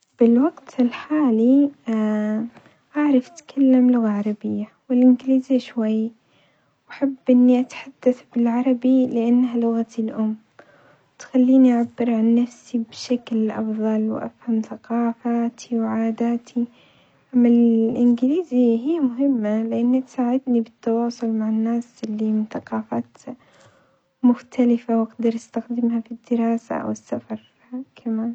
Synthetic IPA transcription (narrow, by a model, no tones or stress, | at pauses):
b̥ɪlwaɡt̪ɪlħaːli | ʔaʕɾˤɑfʔat̪kʰalːamlʊɣaʕɑɾˤɑbɪjːawɪlʔɪnɡliːziʃwajː | waħabːʔɪnːiʔat̪ħad̪̥ːaθbɪlʕɑɾˤɑbilɪʔanːɦalʊɣat̪ɪlʔʊmː | wt̪xalːiːniʔaʕabːɪɾʕanːafsibʃaklʔɑ̰fðˤɑlwʔa̰fhamθaqɑːfaːt̪ʰiwʕaːd̪aːt̪ʰi | ʔamːalʔɪnɡɪliːziɦijːmʊɦɪmːalɪʔanːit̪saːʕɪd̪nibɪt̪ːɑwɑːsˤʊlmaʕanːaːsɪlːimɪnθaqɑːfaːt̪ | mʊxt̪ʰalɪfawʔaqd̪ɑɾˤʔast̪axd̪ɪmhafid̪ːɪɾɑːsa̰ʔa̰wɪsːafɑɾˤ | kʰamaːn